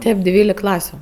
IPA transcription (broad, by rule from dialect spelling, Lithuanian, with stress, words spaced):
ˈtʲeːp ˈdʲʋʲiːlʲɪk ˈklˠɑːsʲʊ